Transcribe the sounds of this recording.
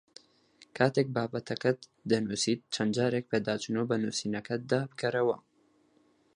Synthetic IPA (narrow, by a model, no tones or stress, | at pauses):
kʰaːt̪ek̚baːbɐt̪ʰɐkɐd̪ɐnusiːt̪̚t͡ʃʰɐnd͡ʒaːɾek̚pʰeːd̪aːt͡ʃunoːbɐnuːsiːnɐkʰɐd̪abɨkʰɐɾɐwɐ